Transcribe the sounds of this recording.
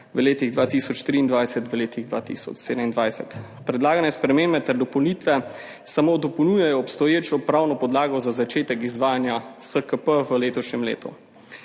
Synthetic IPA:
ʋəleːt̪iɣd̪ʋaːt̪isɔt͡ʃt̪ɾiːnd̪ʋajsɛt̪ʋəleːt̪iɣd̪ʋa̰ːt̪ḭsɔ̰t͡ʃsed̪əmind̪ʋajsɛt̪ | pɾɛd̪laːɡanɛspɾɛmeːmbɛt̪ɛɾd̪ɔpɔwnit̪ʋɛ | samoːd̪ɔpownujajɔːpst̪ɔjeːt͡ʃɔpɾawnɔpɔd̪laːɡɔzazat͡ʃeːt̪ɛkizʋaːjanjasəkəpəʋəleːt̪ɔʃɲʲɛmlḛːt̪ṵ

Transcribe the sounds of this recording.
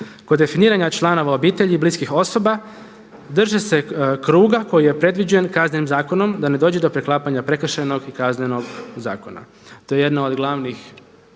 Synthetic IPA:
ko̞d̪ːe̞finiːɾaɲat͡ʃlˠano̞ʋao̞biːt̪e̞ʎibliskixo̞so̞ba | d̪r̩ʒese̞kɾuːɡako̞jije̞pɾe̞d̪ʋid͡ʑuje̞nkazne̞nimzaːko̞no̞md̪ane̞d̪o̞ːd͡ʑed̪o̞pɾe̞klˠaːpaɲapɾe̞k̩ʃeno̞ɡikazneno̞ɡza̰ːko̞na̰ | t̪o̞je̞je̞d̪naod̪ɡlˠaʋnix

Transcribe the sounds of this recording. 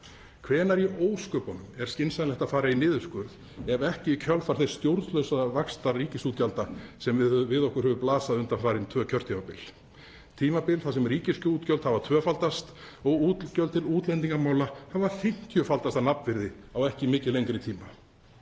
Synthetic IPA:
kʰvɛːnaɾiʔoːwskœːpɔnʏmɛɾ̥scɪnsanlɛht̪afaːɾainɪːðʏskʏɾð | ɛvɛhcɪcʰœlfaɾθɛst̪jowɾðlœɥwsavakst̪ariːcɪsuːt̪̚calt̪asɛmvvɪðɔhkʏɾhœvʏplaːsaðʏnt̪anfaːɾɪnt̪ʰvœːcʰœr̥t̪ʰiːmapɪl | t̪ʰiːmapɪlθas̬ɛmriːcɪscuːt̪cœlt̪havat̪ʰvœːfalt̪ast̪ | ɔɣuːt̪lcœlt̪ʰɪluːt̪lɛnt̪iŋkamaːwlahavaθɪŋ̥c̪ʰjœfalt̪ast̪anapnvɪɾðɪawɛhcɪmɪːcɪlejŋkɾɪt̪ʰiːma

